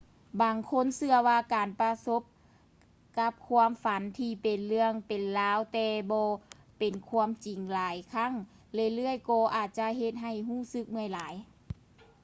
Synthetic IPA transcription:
baː˨˩ŋkʰo˧˥˨nsɯ˧ɐwaː˧kaː˨npa˧so˧˦˥p̚ | ka˧˥p̚kʰu˧əmfa˨˦nt̪ʰiː˧pe˨nlɯ˧əŋpe˨nlaː˧˥wt̪ɛː˧bɔː˧˦ | pe˨˩nkʰu˧˥ə˨mt͡ɕi˨˩ŋlaː˨˦jkʰa˧˥˨ŋ | lɯ˧˨jlɯ˧˥˩əjkɔː˧ʔaː˨˩t̪̚t͡ɕa˧˦ɦe˧t̪̚ɦa˧˨˩jɦuː˧˥˩sɯ˧˦k̚mɯ˧˩ə˨jlaː˨˦j

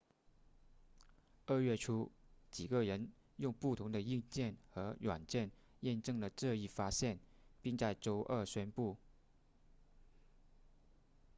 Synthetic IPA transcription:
ə˥˧ɥɛ˥˩ʈ͡ʂʰu˥t͡ɕi˨˩ɡə˧ɻə˧˥n | jʊ˥˧ŋpu˥˩t̪ʰʊ˧˥ŋd̪ə˧i˥˧ŋt͡ɕjɛ˥˩nxɤ˧˥ɻwa˨˩nt͡ɕjɛ˥˩n | jɛ˥˧nʈ͡ʂɤ˥˩ŋd̪ə˩ʈ͡ʂɤ˥˧i˥˩fa˥ɕjɛ˥˩n | pi˥˧ŋt͡sa˥˩ɪʈ͡ʂo˥ʊʔə˞˥˩ɕɥɛ˥npu˥˩

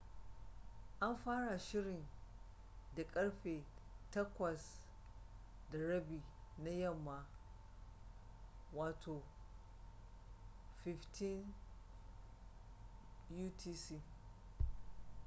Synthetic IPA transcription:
ʔa˦mɸaː˦ɽa˨ʃɪ˦ɽɪ˨n | da˨kʼɐ˦ɽɸeː˨tɐ˦kʷɐ˨s | da˨ɽɐ˦biː˨na˦jɐ˦˨mːa˨ | waː˨tʰoː˨ | ɸɪ˨ɸtʰi˦n | juː˦tʰiː˦siː˦

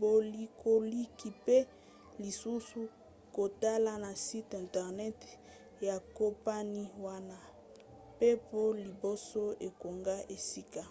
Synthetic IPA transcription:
bo˨li˨kʰo˨li˦ki˨pe˦ | li˨su˦su˦ | ko˨ta˦la˨na˨si˦tɛ̃˨ntɛ˨ʁnɛ˦t | ja˨ko˦pa˦ni˦wa˦na˦ | pe˦po˦li˨bo˦so˦e˨ko˨ŋɡa˦ʔe˨si˦ka˦

